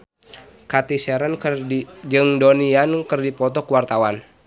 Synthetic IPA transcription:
kat̪isɛɾən | d͡ʒɨŋdoniankɨrdipɔt̪ɔkuwart̪awan

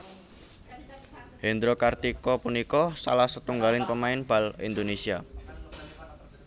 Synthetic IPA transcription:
hend̪ɾokart̪ikɔpunikɔsa̰lahsət̪uŋɡalɪŋpəmaɪnb̥a̤lḭnd̪onesia

